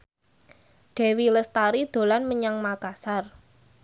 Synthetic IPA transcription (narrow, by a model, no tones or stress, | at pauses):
ɖ̥e̤wiləst̪aɾid̪̥o̤lanməɲaŋmaɡ̥asar